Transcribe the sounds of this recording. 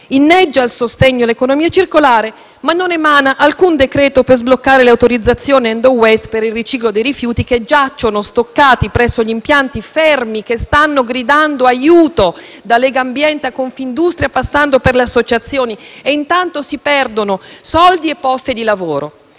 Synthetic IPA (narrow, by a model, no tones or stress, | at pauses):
inːɛd͡ʒːailsost̪eɲːoalekonomiːat͡ʃirkolaːɾe | manːonɛmaːnaʔalkund̪ekɾɛːt̪opezblokːaːɾeleawt̪oɾid̪zːat̪sːjoːniɛnd̪owɛst̪peɾilrit͡ʃiːklod̪ejɾifjuːt̪iked͡ʒat͡ʃːonost̪okːaːt̪ipɾɛsːoʎimpjant̪ifɛrmikest̪anːoɡɾid̪and̪oajuːt̪o | d̪alɛːɡaːmbjɛnt̪akoɱfind̪ust̪ɾjapasːand̪operleasːot͡ʃat̪sːjoːnieint̪ant̪osipɛrd̪onosɔld̪iepːɔst̪id̪ilavoːɾo